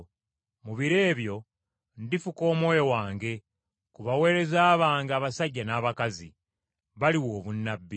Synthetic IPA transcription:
muβiɾe̞ːβjo̞ | ndifuko̞ːmwojowaːŋɡe̞ | kuβawe̞ːɾe̞zaːβaːŋɡaːβasaɟːanaːβakazi | βaliwo̞ːβunːabːi

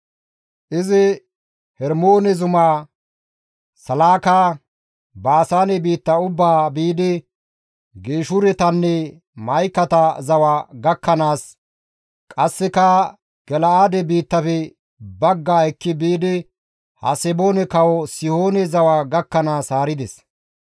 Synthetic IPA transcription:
ʔɪzɪ | hɛɾmo̞ːnɛzʊmaː | sɐlaːkaː | baːsaːnɛbiːt̪ːɐʊbːaːbiːd̪ɪ | ɡeːʃʊɾɛt̪ɐnːɛ | mɐjkːɐt̪ɐzɐwaɡɐkːɐnaːs | kʼɐsːɛkɐ | ɡ̥ɛlɐaːd̪ɛbiːt̪ːɐfɛ | bɐɡːaːɛkːɪbiːd̪ɪ | hɐ̰sɛbo̞ːnɛkɐwɔsɪhoːnɛzɐwaːɡɐkːɐnaːsaːɾɪd̪ɛs

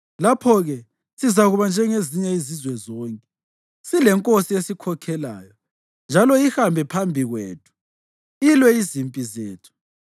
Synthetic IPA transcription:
lapʰɔɣɛ | sizaɣuβand͡ʒʱɛŋeziɲɛizizwɛzɔːŋkʼɛ | silɛŋkʼosiesikʰɔkʰɛla̰ːjɔ | nd͡ʒʱalɔixambʱɛpʰambʱiɣwḛːtʰu̥ | ilwɛizimpʼizeːtʰu̥

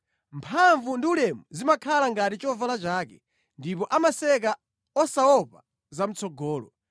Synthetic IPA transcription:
mpʰaɱvundiulɛmuzimakʰalaŋɡatit͡ʃɔvalat͡ʃaːkɛ | ndipɔʔamasɛk̬a | ɔsaɔpa | zam̩t͡sʰɔɡɔːlɔ

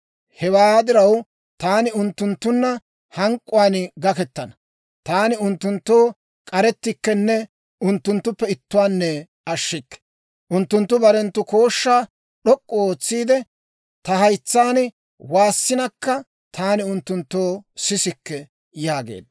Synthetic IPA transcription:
hɛwaːd̪ɪɾɐw | t̪aːnɪʊnt̪ːʊnt̪ːʊnːɐ | hɐŋkʼːʊwaːnɡɐkɛt̪ːɐnɐ | t̪aːnɪʊnt̪ːʊnt̪ːo̞ː | kʼɐɾɛt̪ːɪkːɛnːɛ | ʊnt̪ːʊnt̪ːʊpːɛɪt̪ːʊwaːnːɛ | ʔɐʃːɪkːɛ̥ | ʔʊnt̪ːʊnt̪ːʊbɐɾɛnt̪ːʊko̞ːʃːaː | ɗɔkʼːɔoːt͡sːiːd̪ɛ | t̪ɐhɐjt͡sːaːnɪ | waːsːɪnɐkːɐ | t̪ʰaːnɪʊnt̪ːʊnt̪ːoːsɪsɪkːɛ | jaːɡḛːd̪ɐ

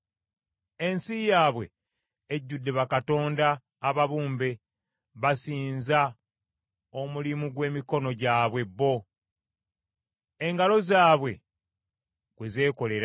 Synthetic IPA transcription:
e̞nsijaːβwe̞ | eɟːudːe̞βakato̞ːndaː | βaβuːmbe̞ | βasiːnza | o̞mulimuɡwe̞ːmiko̞no̞ɟaːβwe̞bːo̞ | e̞ŋɡalo̞zaːβwe̞ | ɡwe̞ze̞ːko̞le̞ɾa

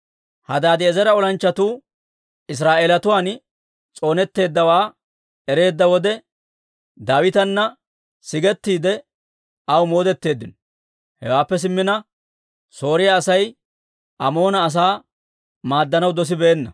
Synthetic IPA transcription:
hɐd̪aːd̪ɪɛzɐɾɐɔlɐnt͡ʃːɐt̪uː | ɪs̬ɾaːʔeːlɐt̪ʊwaːn | t͡sʼo̞ːnɛt̪ːe̞ːd̪ːɐwaː | ɛɾe̞ːd̪ːɐwɔd̪ɛ | d̪aːwɪt̪ɐnːɐ | sɪɡɛt̪ːiːd̪ɛ | ʔɐwmo̞ːd̪ɛt̪ːe̞ːd̪ːɪnɔ | hɛ̰waːpːɛs̬ɪmːɪnɐ | so̞ːɾɪjaːsɐj | ʔɐmo̞ːnɐːs̬aː | maːd̪ːɐnɐwd̪ɔs̬ɪbeːnːɐ

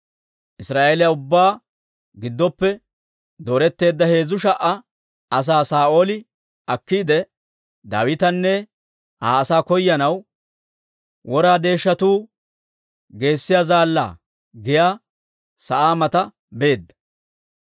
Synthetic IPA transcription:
ʔɪsɾaːʔeːlɪjaʊbːaː | ɡɪd̪ːɔpːɛ | d̪oːɾɛt̪ːe̞ːd̪ːɐhe̞ːzʊʃɐʔɐ | ɐs̬aːsaːʔo̞ːlɪ | ɐkːiːd̪ɛ | d̪a̰ːwɪt̪ɐnːɛ | haːɐsaːkɔjːɐnɐw | wɔɾaːd̪e̞ːʃːɐt̪uː | ɡe̞ːsːɪjaːzaːlːa̰ː | ɡɪjaː | sɐʔaːmɐt̪ɐ | be̞ːd̪ːɐ̥

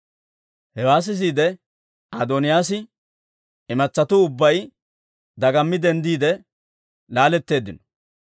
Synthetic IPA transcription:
hɛwaːs̬ɪs̬iːd̪ɛ | aːd̪onɪjaːsɪ | ɪmɐt͡sːɐt̪ʊʊbːɐj | d̪ɐɡɐmːɪd̪ɛnd̪iːd̪ɛ | laːlɛt̪ːe̞ːd̪ɪnɔ̥

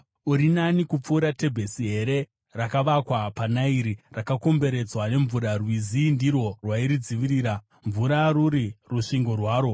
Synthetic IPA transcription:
uɾinanikup͡fuːɾate̞bʱesiɦe̞ɾe̞ | rakaʋakwapanaiɾirakako̞mbe̞ɾe̞d͡zwane̞ɱvuɾarwizindirwo̞rwaiɾid͡ziʋiɾiːɾa | ɱvuɾaɾuɾiruʂiŋɡo̞rwaːɾo̞

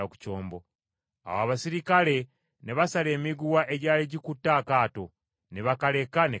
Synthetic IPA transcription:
aku̥co̞ːmbo̞ | a̰waβasiɾikale̞ | ne̞βasale̞ːmiɡuwaʔe̞ɟaːliɟikutːaːkaːto̞ | neβakale̞kane

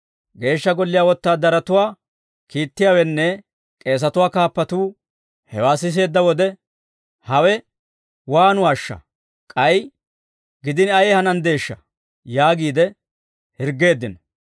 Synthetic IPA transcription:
ɡe̞ːʃːɐɡɔlːɪjaːwɔt̪ːaːd̪ɐɾɐt̪ʊwaː | kiːt̪ːɪjaːwɛnːɛ | kʼe̞ːs̬ɐt̪ʊwaːkaːpːɐt̪uː | hɛ̰waːsɪs̬e̞ːd̪ːɐwɔd̪ɛ | hɐwɛ | waːnʊwaːʃːɐ̰ | kʼɐj | ɡɪd̪ɪnɐjɛhɐnɐnd̪e̞ːʃːɐ̰ | jaːɡiːd̪ɛ | hɪɾɡːe̞ːd̪ːɪnɐ

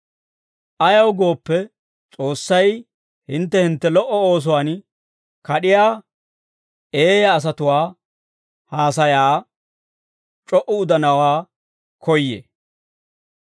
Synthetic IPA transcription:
ʔɐjɐwɡo̞ːpːɛ | t͡sʼo̞ːsːɐj | hɪnt̪ːɛhɪnt̪ːɛlɔʔːɔo̞ːs̬ʊwaːn | kɐɗɪjaː | eːjɐːs̬ɐt̪ʊwaː | haːsɐjaː | t͡ʃʼɔʔʊʊd̪ɐnɐwaː | kʰɔjːḛ

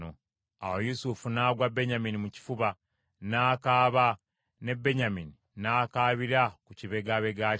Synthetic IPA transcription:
o | a̰wojusufunaːɡwabːe̞ɲaminimuci̥fuβa | naːkaːβa | ne̞bːe̞ɲamini | naːkaːβiɾakuciβe̞ɡaβe̞ɡa

